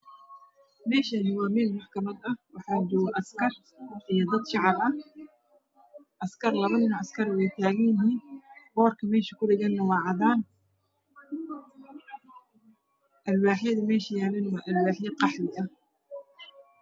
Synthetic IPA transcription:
mɛːʃanɪwɑːmɛːlmɑħkʰɐmɐd̪ɐwɑħɑːd͡ʒɔwʔɐskʰɐr | ʔijɔd̪ɐd̪ʃɑʕɑbɐh | ʔɐskʰɐrlɐβɐnɪnɐʔɐskʰɐɾwɛjt̪ʰaːɣɛjɪɦiːnbɔːrkʰɐmɛːʃɐkʰʊdɪɣɛnːɐwɑːʕɑðaːn | ʔɐlwaːħjɐðɐmɛːʃɐjaːlɛnwaːʔɐlwaːħjɐqɑħnɪɐ

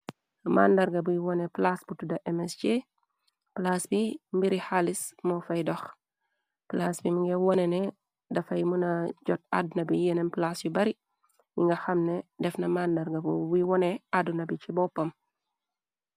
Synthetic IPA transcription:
mʔa̰ndɐɾɡɐbujiwɔnɛplasbutudɐʔɛmɛst͡ʃe | plasbimbiɾihalismɔfɐjdɔx | plasbimuŋɡɛwɔnɛnɛ | dɐfɐjmunɐɟɔt̚a̰dunɐbijɛnɛnplasjubɐɾi | jiŋɡɐxɐmnɛdɛfnɐmandɐɾɡɐbubuiwɔnɛadunɐbit͡ʃibɔpːɐm

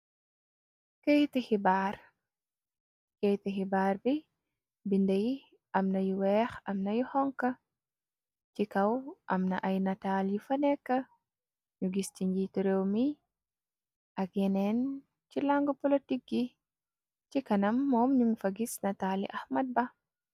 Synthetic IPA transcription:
kejtihibaːr | kejtixibaːrbi | bindɐj | ɐmnɐjuwɛxɐmnɐjuhɔŋkɐ | cikɐwʔɐ̰mnɐʔɐjnɐtaljufɐnɛkːɐ | ɲuɡist͡ʃiɲɟituɾewmi | ʔɐk̚jɛnɛn | cilaŋɡupɔlitik̚ɡi | cikɐnɐmːɔːmɲuŋfɐɡisnɐtaːlḭʔɐxmɐd̚bɐ

